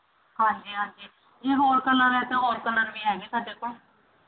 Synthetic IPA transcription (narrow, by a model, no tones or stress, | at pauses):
hãːɲd͡ʒiːɦãːɲd͡ʒiː | jeːɦoːɾkəlːəɾɛːt̪ẽːɦoːɾkəlːəɾʋĩːɦɛːɡiːsaːɖeːkoːl